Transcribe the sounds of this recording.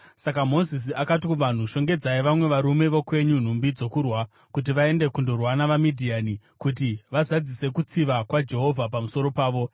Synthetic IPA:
sakamo̞zis̬iʔakatikuʋan̤uʃo̞ŋɡe̞d͡zaiʋamwe̞ʋaɾume̞ʋo̞kwe̞ɲun̤umbid͡zo̞kurwa | kut̬iʋae̞nde̞kundorwanaʋamidʱiaːni | kut̬iʋazad͡zise̞kut͡siʋakwad͡ʒe̞ɦo̞vʱapamuso̞ɾo̞paːʋo̞

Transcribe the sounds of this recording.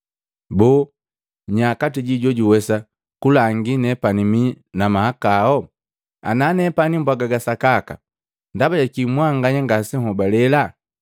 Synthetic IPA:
bɔ | ɲakatiɟiɟɔɟuwɛsa | kulaŋɡinɛpanimi | namahakaɔ | a̰nanɛpanimbwaɡaɡasakaka̰ | ndabaɟakimwaŋɡaɲaŋɡasɛhɔbalɛla

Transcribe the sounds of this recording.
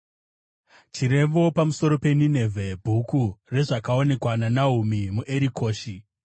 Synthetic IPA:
t͡ʃiɾe̞mbo̞pamuso̞ɾo̞pe̞ninevʱebʱukure̞ʐakao̞ne̞kwananaɦumimuʔe̞ɾiko̞ːʃi

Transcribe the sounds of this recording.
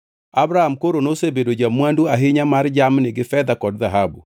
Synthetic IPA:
abɾahamkoɾonosebedod͡ʒamwanduaɦɪɲamaɾd͡ʒamnɪɡɪfɛd̪akɔdðaɦabṵ

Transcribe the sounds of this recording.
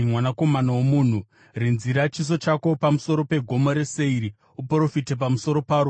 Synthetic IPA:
mwanako̞manawomuːn̤u | rinziɾat͡ʃis̬o̞t͡ʃako̞pamuso̞ɾo̞pe̞ɡʱo̞mo̞ɾe̞se̞iɾi | upro̞fitep̬amuso̞ɾo̞paːɾu

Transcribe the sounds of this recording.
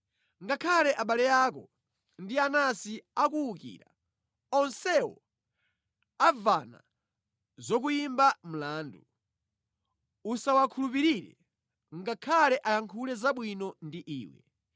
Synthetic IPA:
ŋɡakʰalɛʔaɓalɛjakɔ | ndianasiakuːkḭːɾa̰ | ɔnsɛwɔ̰ | avana̰ | zɔk̬ujimbam̩laːndu | usawakʰulup̬iɾiɾɛ̰ | ŋɡakʰalɛʔajaŋkʰulɛzaɓwinɔndiʔḭːwɛ̰

